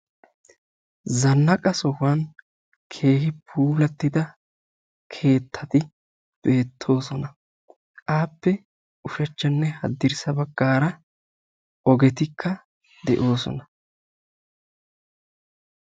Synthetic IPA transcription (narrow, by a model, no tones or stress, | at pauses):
zɐnːɐkʼɐsɔhʊwɐn | kʰe̞ːhɪpʰuːlɐt̪ːɪd̪ɐ | kʰe̞ːt̪ʰːɐt̪ɪ | b̥e̞ːt̪ʰːo̞ːsɔnɐ | ʔaːpːɛ | ʊʃɐt͡ʃːɐnːɛhɐ̰d̪ːɪɾsɐbɐɡːaːɾɐ | ɔɡɛt̪ɪkʰːɐ | d̪ɛʔo̞ːsɔ̰nɐ